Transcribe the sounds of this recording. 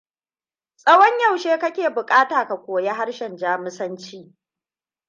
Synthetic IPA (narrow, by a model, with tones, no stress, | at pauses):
sʼɐ˦wɔ˦ɲjɐ˦˨wʃeː˦kɐ˦kʲeː˨bʊ˨kʼaː˦taː˨ka˨kʷoː˨je˦ɦa˦ɽʃɛ˨nd͡ʒaː˦mɪ˦sɐ˦nt͡ʃiː˦